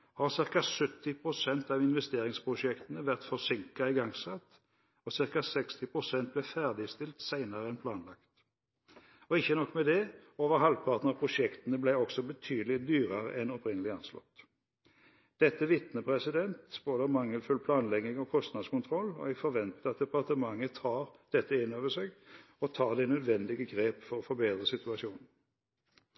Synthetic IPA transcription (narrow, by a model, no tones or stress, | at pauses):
hɑʁsɪʁkɑsʉt̪ːɪpʰʁʊsɛnt̪ɑʋɪnʋɛst̪eːʁɪŋspʰʁʊʃɛkt̪ənəʋæʁt̪fɔʁsɪŋkɑɪɡɑŋsɑt̪ː | ɔsɪʁkɑsɛkst̪ɪpʰʁʊsɛnt̪̚blɛfæʁd̪ɪst̪ɪlt̪sæɪnəʁəɛnpʰlɑːnlɑkt̪ | ɔɪçːənɔkːmɛd̪ɛoːʋəʁɦɑlpʰɑʁt̪nəɑpʰʁʊsɛkt̪ənəblæɪɔksɔbət̪ʰyːd̪lɪd̪yːʁəʁə̰ʔɛnɔpʁɪnəlɪɑnslɔ̰t̪ː | d̪̥ɛt̪ːəʋɪt̪nəpʰʁɛsɪd̪ɛnt̪b̥oːd̪əmɑŋːəlfʉlpʰlɑːnlɛɡnɪŋɔkʰɔst̪nɑd̪skʊnt̪ʰʁɔlːɔ̰ɛɡfɔɾʋɛnt̪əɑt̪̚d̪ɛpɑʁt̪əmɑŋːət̪ʰɑːʁd̪̥ɛt̪ːəɪnːoːʋəseːɡ | ɔt̪ʰɑːʁd̪ɛnœd̪ʋɛnd̪ɪɡəɡʁeːpfɔʁɔfɔɾbeːd̪ʁəsɪt̪ʉɑʃuːnn̩